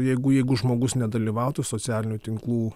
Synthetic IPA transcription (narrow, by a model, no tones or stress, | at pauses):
jɛɪɡʊjɛɪɡʊʒmoːɡʊsnʲɛd̪ɐlʲiːʋɑʊt̪usoːt͡s̪ʲæːlʲɪnʲuːt̪ʲɪŋklˠuː